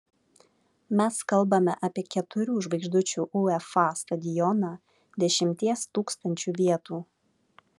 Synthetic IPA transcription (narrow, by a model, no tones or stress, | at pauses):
mʲɛskɐlˠbɐmʲɛʔɐpʲiɛkʲɛt̪ʊɾʲuːʒʋɐɪɡʒd̪ʊt͡ʃʲuːʔuɛfɑˑst̪ɐd̪ʲɪjɔnɑː | d̪ʲɛʃʲɪmʲt̪ʲiɛst̪uːkst̪ɐnʲt͡ʃʲuːʋʲiɛt̪uː